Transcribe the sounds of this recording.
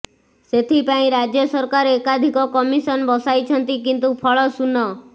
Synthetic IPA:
set̪ʰipaĩɾad͡ʒjɔsɔɾkaɾekad̪ʱikɔkɔmisɔnbɔsajt͡ʃʰɔnt̪ikint̪upʰɔɭɔsunːɔ

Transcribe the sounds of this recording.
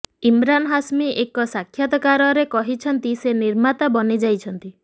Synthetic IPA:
imɾanɔɦasmiʔekɔsakʰːjat̪ɔkaɾɔɾekɔɦit͡ʃʰɔnt̪iseniɾmat̪abɔnid͡ʒajt͡ʃʰɔnt̪i

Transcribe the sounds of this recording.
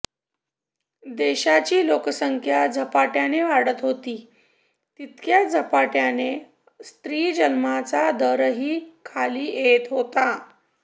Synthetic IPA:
d̪eɕat͡ɕiːlokəsəŋkʰjad͡zʱəpaʈjaneʋaɽət̪ɦot̪iː | t̪it̪kʰjad͡zʱəpaʈjane | st̪ɾiːd͡ʑənmat͡sad̪əɾəɦiːkʰaliːjet̪ɦot̪a

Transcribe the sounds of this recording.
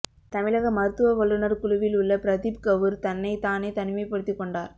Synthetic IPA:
t̪ɐmɪɭɐɣɐmɐɾɯt̪ːɯʋɐʋɐɭːɯnɐɾkʊɭʊʋɪlʊɭːɐpɪɾɐðib̚kɐʋɯɾt̪ɐnːɐɪt̪aːneːt̪ɐnɯmɐɪpːɐɽɯt̪ːikːɔɳɖaːɾ

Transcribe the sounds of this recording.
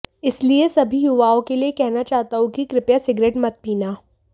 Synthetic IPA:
ɪsliesɐbʱiɦjʊʋaːõkeliekɛɦnat͡ʃaːɦt̪aɦũkikɾɪpjasɪɡɾeːʈmɐt̪̚piːnaː

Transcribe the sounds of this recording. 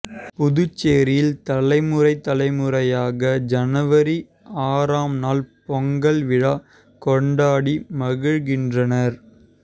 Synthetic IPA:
pʊðʊt͡ʃːeːɾɪjɪlt̪ɐlɐɪmɯrɐɪt̪ːɐlɐɪmɯɾɐjaːɣɐd͡ʒɐnɐʋɐɾi | aːɾaːmnaːlpɔŋɡɐɭʋɪɻa | kɔɳɖaːɽimɐɣɯɻɣɪndrɐnɐɾ

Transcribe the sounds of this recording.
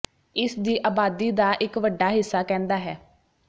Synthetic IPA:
ɪsd̪iːʔaːbaːd̪iːd̪aːʔɪkʋəɖːaːɦɪsːaːkɛ̃ːnd̪aːɦɛː

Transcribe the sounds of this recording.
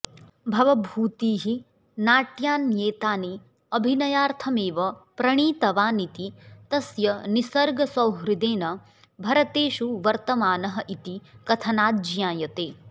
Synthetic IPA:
bʱɐʋɐbʱuːt̪iːɦi | naːʈjaːnjeːt̪aːni | ɐbʱinɐjaːɾt̪ʰɐmeːʋɐpɾɐɳ̃iːt̪ɐʋaːnit̪it̪ɐsjɐnisɐɾɡɐsɐwɦɾid̪eːnɐ | bʱɐɾɐt̪eːʃuʋɐɾt̪ɐmaːnɐɦɐʔit̪ikɐt̪ʰɐnaːd̪d͡ʒjaːjɐt̪eː

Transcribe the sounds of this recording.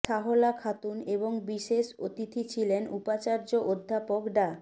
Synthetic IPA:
ʃaɦolakʰat̪uneboŋbiʃeʃot̪it̪ʰit͡ɕʰilenupat͡ɕaɾd͡ʑoʔod̪ʱːapokɖa

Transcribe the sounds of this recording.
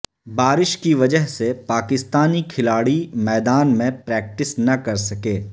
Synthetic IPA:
baːɾɪʃkiʋɐd͡ʒəɦsepaːkɪst̪aːnikʰɪlaːɽimɛːd̪aːnmẽpɾɛːk̚ʈɪsnɐkɐɾsɐkeː

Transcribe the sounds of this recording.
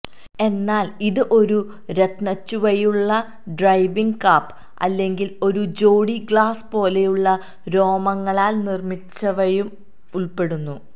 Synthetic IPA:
e̞nːaːliðɨʔo̞ɾu | ɾe̞t̪nɐt͡ɕːuʋɐjuɭːɐ | ɖrɐjʋiŋɡkaːpː | ɐ̰lːe̞ŋɡilo̞ɾud͡ʑo̞ːɽiɡɭaːspo̞ːle̞juɭːɐ | ɾo̞ːmɐŋːɐɭaːlnirmit͡ɕːɐʋɐjum | uɭpe̞ɽunːu

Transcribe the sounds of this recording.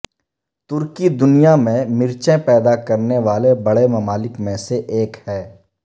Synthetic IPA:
t̪ʊɾkid̪ʊnijamẽmɪɾt͡ʃẽpɛːd̪akɐɾneʋaːlebɐɽemɐmaːlɪkmẽseʔeːkhɛː

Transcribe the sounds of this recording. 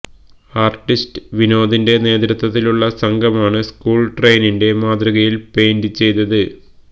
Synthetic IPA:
aːrʈːistɨ̥ʋino̞ːðinde̞ne̞ːd̪ɾɐt̪wɐt̪ːiluɭːɐsɐŋɡʱɐmaːɳɨskuːɭʈre̞jninde̞maːd̪rɐɣɐjilpe̞ːndɨt͡ɕːe̞jt̪ːɐðɨ

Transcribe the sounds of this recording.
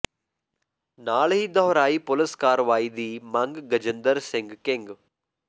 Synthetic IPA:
naːɭɦid̪ɐɦɾaːipoləskaːɾʋaːid̪iːmɐŋɡɡɐd͡ʒənd̪əɾsɪŋɡkeŋɡ

